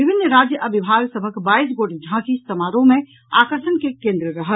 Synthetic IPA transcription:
bibʱinːɾad͡ʒjəʔəbibʱaɡsəbʱəkbaisɡoʈd͡ʒʱãkist̪əmaɾõmẽ | a̰kəɾʃənkekẽnd̪ɾəɾəɦəl

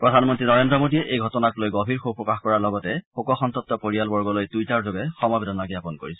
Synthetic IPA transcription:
pɹɔdʱanmɔntɹinɔɹendɹɔmodijɛʔejɡʱɔtɔnaklojɡobʱiɹxopɹɔkaxkɔɹaɹlɔɡɔtɛxokɔxɔntɔt̚tːɔpoɹijalbɔɹɡɔlojtujtaɹzoɡɛxɔmɔbedʱɔnaɡiapɔnko̰ɹisɛ̥

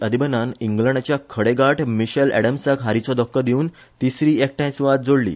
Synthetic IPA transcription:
əd̪ibənaniŋɡlə̃ɳɖt͡ɕjakʰəɽeɡaʈʰmiɕəlɛ̰ɽəmsəkɦaɾit͡sɔd̪ɔkːəd̪iuːn | t̪isɾiːek̚ʈãj̃suʋat̪̚d͡zoɽlḭː

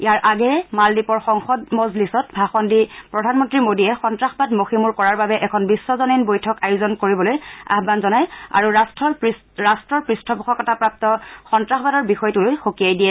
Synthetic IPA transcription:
ijaɹʔaɡɛmaldipɔɹxɔŋxɔdmɔzlisɔtbʱaxɔndipɹɔdʱanmɔntɹimodiɛxɔntɹaxbadmoximuɹkɔɹaɹbabɛʔɛkʰɔnbisːɔzɔninbojtʰɔkajʊzɔnkoɹibɔloja̰xbanzɔnaja̰ɹuastɔ | ɹastɹɔɹpɹistʰɔpɔxʰɔkɔtapɹap̚tɔxɔntɹaxɔbadɔɹbixɔjtulojxokijajdijɛ

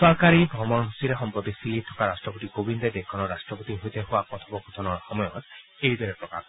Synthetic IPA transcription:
sɔɹkaɹibʱɔmɔnɦusiɾexɔmpɹɔt̪isilit̪ʰɔ̥kaɾastɹɔpot̪ikobind̪ɛd̪ekʰːɔnɔɹastɹɔpot̪iɦojt̪eɦʊapɔt̪ʰɔbɔkut̪ʰɔnɔɹxɔmɔjɔt̪ | ejd̪ɔɹɛpɹɔka̰k

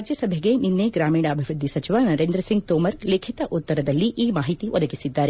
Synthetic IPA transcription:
ad͡ʒjɐsɐbʱeɡeninːeɡɾaːmiːɽɐːbʱiʋɾud̪ʱːisɐt͡ʃiʋanɐɾend̪ɾɐsiŋɡt̪oːmɐɾleːkʰit̪ɐʔut̪ːɐɾɐd̪ɐlːiʔiːmaːɦit̪iʋʔɔd̪ɐɡisid̪ːaːɾe

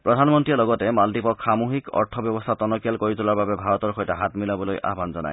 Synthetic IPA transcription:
pɹɔdʱanmɔntɹialɔɡɔtɛmaldipɔkxamuɦikɔ̰ɹtʰɔbjɔbɔst̪ʰatɔnɔkialkoɹitʊlaɹbabɛbʱaɹɔtɔɹxɔjtaɦatmilabɔlojʔa̰ɦbanzɔna̰j

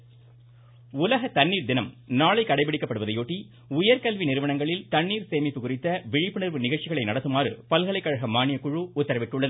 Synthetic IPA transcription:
ʊlɐɣɐt̪ɐnːiːɾd̪ɪnɐmnaːɭɐɪkːɐɽɐɪpɐɽɪkːɐpːɐɽɯʋɐðɐɪjoːʈːi | ʊjɐɾkɐlʋinɪɾɯʋɐɳɐŋɡɐɭɪlt̪ɐɳːiːɾseːmɪpːɯkʊrɪt̪ːɐʋɪɻɪpːɯɳɪɾʋɯnɪɣɐɭt͡ʃːɪɣɐɭɐɪnɐɽɐt̪ːɯmaːrɯ̰pɐlɣɐɭɐɪkːɐɻɐɣɐmːaːɳɪjɐkːʊɻuʊt̪ːɐɾɐʋɪʈːʊɭːɐðɯ

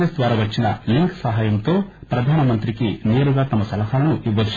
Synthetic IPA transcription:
esd̪ʋaːɾɐʋɐt͡ʃːinɐliŋksɐɦaːjɐmt̪o̞ːpɾɐd̪ʱaːnɐmɐnt̪ɾikineːɾuɡaːt̪ɐmːɐsɐlɐɦaːlɐnuʔibɐd̪u

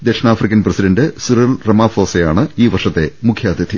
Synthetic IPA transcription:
d̪eʂnaːfrikʲːɐnprɐsiɖɐɳɖɨsuɾɐlrɐmaːfo̞ːsejaːɳɨiːʋɐrʂɐt̪ːe̞mukʰjaːd̪ʱjɐd̪ʰʱi

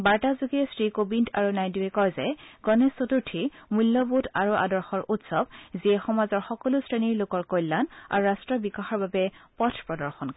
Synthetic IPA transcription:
baɹtazuɡɛsɹikobintʰaɹunajdiɛkɔɹzɛɡ̥ɔnesotuɹtʰimulːɔbutʰaɹuʔa̰dɔɹxɔɹʔutsɔbziɛxɔmazɔɹxɔkɔlʊsɹeniɹlʊkɔɹkojlːana̰ɹuɹastɹɔbikaxɔɹbabɛpɔtʰpɹɔdɔɹxɔnk

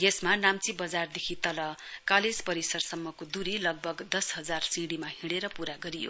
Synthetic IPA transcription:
jesmanamt͡sibʌd͡zard̪ekʰit̪ʌlʌkaled͡zpʌɾisʌrsʌmːʌkod̪uɾilʌɡ̚bʱʌɡd̪ʌsɦʌd͡zarsiɽimahiɽ̃eɾʌpuɾaɡʌɾijo̰

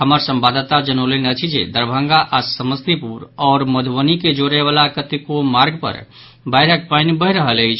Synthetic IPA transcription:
həməɾsə̃mbad̪t̪ad͡ʒənəlenət͡ʃʰid͡ʒḛd̪əɾbʱəŋɡaʔasəməst̪ipuɾɔːɾməd̪ʱbəniked͡ʒoɾeʋalakət̪ikomaɾɡpə̰ɾ | bajɾək̚paɪnbəɦɾəɦələt͡ʃʰ

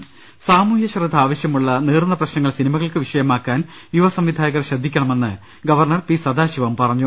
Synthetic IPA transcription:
saːmuːhjɐɕɐrɐd̪ʱaːʋɐɕjɐmuɭːɐneːrnːɐprɐɕnɐŋːɐɭsinimɐɣɐɭkɨʋiʂɐjɐmaːkːaːn | juʋɐsɐmʋid̪ʱaːjɐɣɐrɕɐd̪ʱːikʲːɐɳɐme̞nːɨ | ɡɐʋɐrɳɐrpisɐd̪aːɕiʋɐmpɐrɐɲːu

